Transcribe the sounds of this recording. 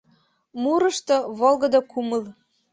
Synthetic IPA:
muɾɤ̆ʃt̪ɤ̆βolˠɣɤ̆d̪ɤkumɤ̆l

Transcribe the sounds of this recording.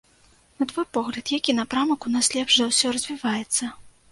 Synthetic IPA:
nɐt̪vɔjpɔɣlʲɐt̪jakʲinɐpɾamɐkunaslʲɛpʂɐwsʲɔrɐzʲvʲivajɛt̪sːɐ

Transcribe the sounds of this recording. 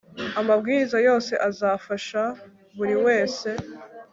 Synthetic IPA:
amabɡiːɾizajo̞ːse̞ʔazaːfaʃa | βuɾiwe̞ːse̞

